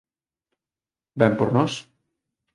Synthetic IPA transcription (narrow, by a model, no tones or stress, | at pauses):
bɛmpoɾnɔs